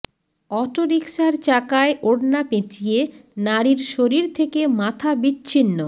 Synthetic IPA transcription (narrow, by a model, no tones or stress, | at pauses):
ɔʈoɾikʃaɾt͡ɕakaeʔoɽnapet͡ɕʰijenaɾiɾʃoɾiɾt̪ʰekemat̪ʰabitːɕʰinːo